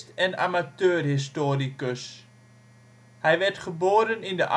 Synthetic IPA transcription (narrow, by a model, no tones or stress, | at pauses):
tɛna̰matøːrɦɪs̬toːɾikəs | hɛjʋɛtχəboːɾənɪndəʔa